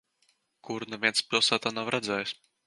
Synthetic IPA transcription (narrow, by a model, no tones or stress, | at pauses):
kuɾnɛvʲiɛnspʲilˠsaːt̪aːnawɾʔad̪zɛːjs